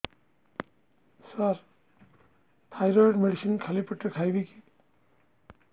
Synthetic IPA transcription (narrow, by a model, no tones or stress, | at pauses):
saɾ | t̪ʰajɾɔjɖmeɖisinkʰalipɔʈːekʰajbiki̥